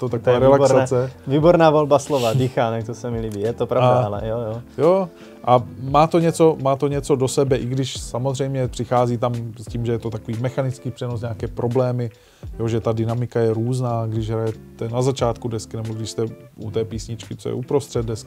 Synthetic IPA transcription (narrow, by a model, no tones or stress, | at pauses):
t̪ot̪akoaːɾɛlasat͡sɛviːboɾnaːvolbaslovadiːxaːnɛk̚t̪osɛmɪliːbiːjɛt̪opɾadaalɛ̰jojojoː | ʔamaːt̪o̞ɲɛt͡so̞maːt̪o̞ɲɛt͡so̞do̞sɛbɛʔɪɡdɪʃsamo̞zr̝ɛjmɲɛpr̥ɪxaːziːt̪amsciːmʒɛjɛt̪o̞t̪ako̞viːmɛxanɪt͡skiːpr̥ɛnosɲeakɛːpɾʔo̞blɛːmɪ | jo̞ʒɛt̪adɪnamɪkajɛɾuːznaːɡdɪʒɦɾajɛt̪ɛnazat͡ʃaːt̪kudɛskɪnɛboɡdɪʃst̪ɛʔut̪ɛːpiːsɲɪt͡ʃkɪt͡so̰jɛ̰ʔupɾo̞st̪r̥ɛd̪̚dɛskɪ